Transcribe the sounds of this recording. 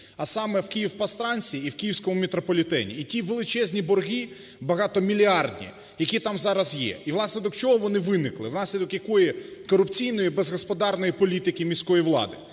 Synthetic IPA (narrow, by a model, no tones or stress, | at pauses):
ɐsɑmɛwkʲijiwpɐst̪ɾɑnʲsʲiːwkʲijiwsʲkɔmʊmʲit̪ɾɔpɔlʲit̪ɛ̰nʲḭːtʲiʋelˠɪt͡ʃɛzʲnʲibɔrɦʲi | bɐɦɑt̪ɔmʲilʲiɑrd̪ʲnʲḭ | jɐkʲit̪ɑmzɑɾɐzjɛ̰iʋlˠɑsnɛd̪ɔt͡ʃɔɦɔʋɔnɪʋɪnɪklˠɪ̰ʋnɑsʲlʲid̪ɔkjɐkɔjɛkɔɾʊpt͡sʲijnɔjibezɦɔspɔd̪ɑrnɔjipɔlʲit̪ɪkʲɪmʲisʲkɔjiʋlˠɑ̰d̪ɪ